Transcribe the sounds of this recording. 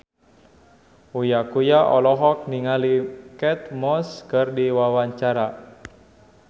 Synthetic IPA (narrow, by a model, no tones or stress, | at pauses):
ujakujaʔɔlɔɦɔk̚niŋalikɛt̪̚mɔskɨrdiwawaɲt͡ʃaɾa